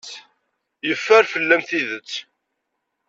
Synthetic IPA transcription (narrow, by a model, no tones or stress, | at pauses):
jəfːæɾfəlːæmθiðət͡sː